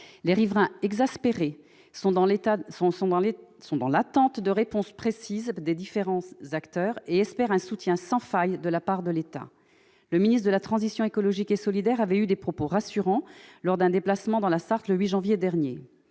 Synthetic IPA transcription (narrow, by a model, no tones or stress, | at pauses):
leʁivʁɛ̃ɛɡzaspeʁe | sɔ̃ɑ̃ãsɔ̃sɔ̃d̪ɑ̃lat̪ɑ̃t̪d̪əʁepɔ̃spχesizd̪ed̪ifeʁɑ̃zakt̪œʁeɛspɛʁɛ̃sut̪jɛ̃sɑ̃fajd̪əlapaʁd̪əlet̪a̰ | ləminist̪χd̪əlat̪χɑ̃zisjɔ̃ekɔlɔʒikesɔlid̪ɛʁavɛyd̪epχɔpoʁasyʁɑ̃lɔʁd̪ɛ̃d̪eplasmɑ̃d̪ɑ̃lasaʁt̪ləɥiʒɑ̃vjed̪ɛʁnje